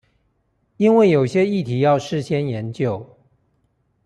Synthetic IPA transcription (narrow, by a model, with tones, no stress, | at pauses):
i˦nwe˥˩ɪjo˨˩ʊɕjɛ˦i˥˨t̪ʰi˨˦jɑ˥˨˧ʊʂɻ̩˥˨ɕjɛ˦njɛ˨˦nt͡ɕjo˥˨ʊ